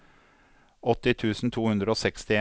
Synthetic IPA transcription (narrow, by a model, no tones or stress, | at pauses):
ɔt̪ɪt̪ʰʉːsn̩t̪ʰuːhʉnd̪ɾəoːsɛkst̪ɪe